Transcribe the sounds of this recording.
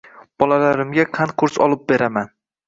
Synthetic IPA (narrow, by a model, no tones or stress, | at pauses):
b̥ɒlalaɾɪmɡʲaqʰanqʰʊɾsɒ̰lˠɪp̚beɾaman